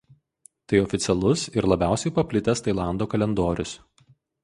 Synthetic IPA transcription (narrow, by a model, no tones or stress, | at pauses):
t̪ɐɪɔfʲɪt̪sʲɛlˠʊsɪɾlˠɐbʲæˑʊsʲɛɪpɐpʲlʲɪt̪ʲɛst̪ɐɪlˠɑˑnd̪oːkɐlʲɛnd̪oːɾʲʊs